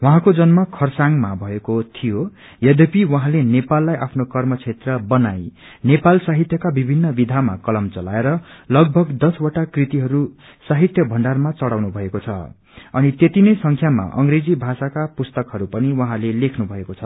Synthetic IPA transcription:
wʌɦãkod͡zʌnmakʰʌrsaŋmabʱʌekot̪ʰijo | jʌd̪epiwʌɦãlenepalːajʔapʰnokʌrmʌt͡sʰet̪rʌbʌnaj | nepalsaɦit̪jʌkabibʱinːʌbid̪ʱama̰kʌlʌmt͡sʌla̰eɾʌlʌɡ̚bʱʌɡd̪ʌswaʈakrit̪iɦʌɾu | saɦit̪jʌbʱʌɳɖarmat͡sʌɽawnubʱʌekot͡sʰʌ̰ | ʌ̰nit̪et̪inʌjsʌŋkʰjama̰ʔʌ̰ŋɡred͡zibʱasakapust̪ʌkɦʌɾupʌniwʌɦãlelekʰnubʱʌekot͡sʰʌ

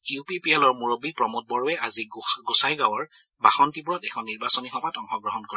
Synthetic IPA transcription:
jupipiɛlɔɹmuɹobipɹɔmɔt̚bɔɹɔwɛaziɡusajɡawɔɹ | baxɔntibuɹɔtɛkʰɔnːiɹbasɔnixɔmatɔŋxɔɡɹɔɦɔnkɔɹɛ

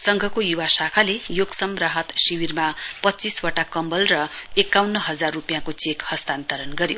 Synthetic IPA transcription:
sʌŋɡʱʌkojuwasakʰalejoɡsʌmraɦʌt̪siwirmapʌtːt͡siswaʈakʌmbʌlrʌekːawnːʌɦʌd͡zarːupjakot͡sekhʌst̪ant̪ʌɾʌnɡʌɾjo

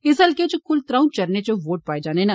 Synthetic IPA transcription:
ɪsɐlket͡ʃɐkʰʊlt̪ɾãːũt͡ʃɐɾnet͡ʃɐʋoːʈ̚paːed͡ʒaːnena

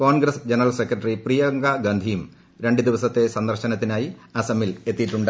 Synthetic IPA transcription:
koːnɡɾɐsd͡ʑenɐrɐlsekːrɐʈːɐriprijɐŋɡɐɡɐnd̪ʱijum | ɾe̞ɳɖɨd̪iʋɐsɐt̪ːe̞sɐnd̪ɐrɕɐnɐt̪ːinaːjiɐsɐmile̞t̪ːijʈːuɳɖ

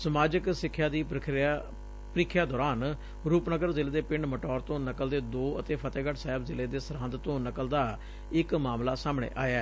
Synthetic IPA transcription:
səmaːd͡ʒəksɪkʰːjaːd̪iːpɾəkʰa | pɾɪkʰjaːd̪ɔːɾaːn | ɾuːpnəɡəɾzɪleːd̪eːpɪɳɖməʈɔːɾt̪õːnəkəld̪eːd̪oːət̪eːpʰət̪eːɡəʈsaːɦɪbzɪleːd̪eːsəɾãːnd̪t̪õːnəkəld̪aː | ɪkmaːmlaːsaːmɳḛːʔaːjaː

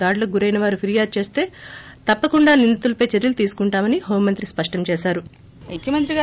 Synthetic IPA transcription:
aːɽlɐɡuɾɐjnɐʋaːɾupʰiɾijaːd̚t͡ʃe̞ːst̪e̞ːt̪ɐpːɐkuɳɖaːnind̪it̪ulɐpɐjt͡ʃeɾjɐlut̪iːsu̥kuɳʈaːmɐniɦoːmːɐnt̪ɾispɐʂʈɐmt͡ʃeːʃaːɾu | mukʰjɐmɐnt̪ɾiɡa

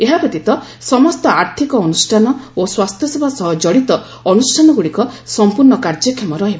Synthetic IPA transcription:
eɦapɔt̪it̪ɔsɔmɔst̪ɔaɾt̪ʰikɔːnusʈʰanɔoswast̪ʰjɔsebʱasɔɦɔd͡ʒɔɽit̪ɔː | nusʈʰanɔɡuɽikɔsɔmpuɾɳɔkaɾd͡ʒɔkʰːemɔɾɔɦebɔ

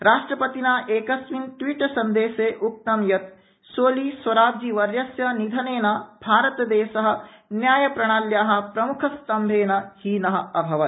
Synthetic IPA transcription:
ɾaːʂʈɾɐpɐt̪inaːʔeːkɐsʋinʈ̪ʋiːʈsɐnd̪eːʃeːʔuk̚t̪ɐmjɐt̪̚ | soːliːsɐɾaːb̚d͡ʒiʋɐɾjɐsjɐnid̪ʱɐneːnaːbʱaːɾɐt̪d̪eːʃɐɦɐ̆njaːjɐpɾɐɽ̃aːljaːɦɐ̆pɾɐmukʰɐst̪ɐmbʱeːnɐhiːnɐɦɐ̆ɐbʱɐʋɐt̪

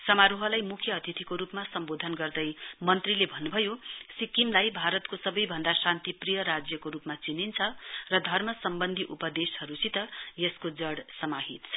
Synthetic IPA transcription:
sʌmaɾoɦʌlajmukʰjʌːt̪it̪ʰikoɾupmasʌmbod̪ʱʌnɡʌrd̪ʌjmʌnt̪rilebʱʌnːubʱʌjosikimlajbʱaɾʌt̪kosʌbʌjbʱʌnd̪asãnt̪iprijʌɾad͡zjʌkoɾupmat͡sinint͡sʰʌrʌd̪ʱʌrmʌsʌmbʌnd̪ʱiʔupʌd̪eshʌɾusʰit̪ʌjʌskod͡zʌɽsʌmaɦit̪ʰʌ

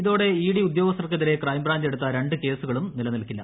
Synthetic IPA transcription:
iðo̞ːɽe̞iːɽiud̪jo̞ːɡɐsɐrkːɐðiɾe̞krɐjmbraːɲd͡ʑe̞ɽut̪ːɐɾe̞ɳɖɨke̞ːsuɣɐɭumnilɐnɐlkːilːɐ̰

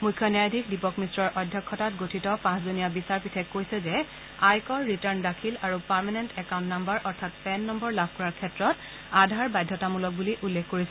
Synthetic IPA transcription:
mujkʰːjɔnjajadʱikdipɔkmistɹɔɹʔɔjdʱjɔkʰːɔtatɡotʰitɔpãszunijabisaɹpitʰɛkːojsɛzɛ | ajkɔɹːitəɹndakʰilaɹupaɹmanɛntɛkaw̃ntnambɔɹʔɔɹtʰat̚pɛnːɔmbɔɹlab̚ʱkɔɹaɹkʰɛtɹɔt | adʱaɹbajdʱjɔtamulɔk̚buliʔulːɛkʰːoɹisɛ

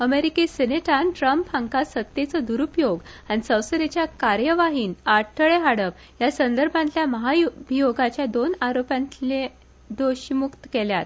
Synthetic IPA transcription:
əmeɾikeseneʈanʈɾəmphãŋkasət̪ːjet͡səd̪uɾupjoɡanisə̃w̃səɾet͡ɕjakaɾjəʋaɦiːnaɽʈʰəɭeɦaɽəp | jasənd̪əɾbʱãnt̪ljaməɦaubʱijoɡat͡ɕjad̪onaɾopjãnt̪le | d̪oɕimukt̪əkeljat̪̚

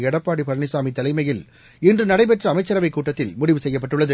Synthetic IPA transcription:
ɛɽɐpːaːɽipɐɾɐɳɪsaːmit̪ːɐlɐɪmɐjɪl | ɪndrɯnɐɽɐɪpɛʈrɐːmɐɪt͡ʃːɐɾɐʋɐɪkːuːʈːɐt̪ːɪlmʊɽɪʋɯsɛjːɐpːɐʈːɯɭːɐðɯ

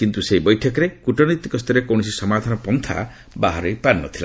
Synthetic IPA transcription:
kint̪useibɔjʈʰɔkɔɾekuʈɔnit̪ikɔst̪ʰɔɾekɔw̃ɔsisɔmad̪ʱanɔpɔnt̪ʰa̰ | baɦɔɾejpanːɔt̪ʰila̰

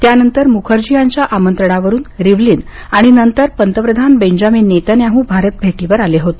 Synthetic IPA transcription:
t̪janənt̪əɾmukʰəɾd͡ʑijaɲt͡ɕjaʔamənt̪ɾəɳ̃aʋəɾuːnɾiʋliːnaɽ̃inənt̪əɾpənt̪əpɾəd̪ʱanbeɲd͡ʑamiːnːet̪əneaɦũːbʱaɾət̪̚bʱeʈiʋəɾaleɦot̪e

